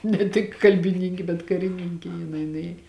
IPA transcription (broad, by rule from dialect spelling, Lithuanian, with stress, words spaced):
nʲɛ ˈtʲɪk kɐlʲbʲɪˈnʲiːŋʲkʲɪ bʲɛt kɐrʲɪˈnʲiːŋʲkʲɪ jɪˈnɐɪ nʊˈeːj